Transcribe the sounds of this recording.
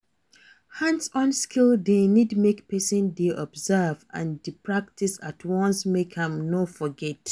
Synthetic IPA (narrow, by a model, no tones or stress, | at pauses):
hãnsɔ̃nskʰilˠdenidmekpɛsə̃ndeʔɔbzɛvã̰ndipɹak̚tʰisatʰwɔ̃nsmekhɛ̃mnofɔɡɛt